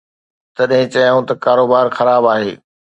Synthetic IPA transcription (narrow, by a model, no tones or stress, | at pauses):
t̪ɐɗɦɪ̃t͡ɕɐjãːũt̪ɐkaːɾoːbaːɾxɐɾaːbaːɦeː